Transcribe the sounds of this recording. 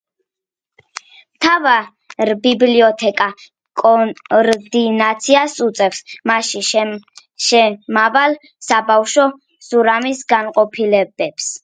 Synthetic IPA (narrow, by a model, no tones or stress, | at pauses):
mt̪ʰava | ɾbibliɔt̪ʰɛkʼa | kʼɔɾd̪inat̪sʰiasut̪sʼɛfsmaʃi | ʃɛmaval | sabafʃɔ | suɾamisɡanqʼɔpʰilɛbɛps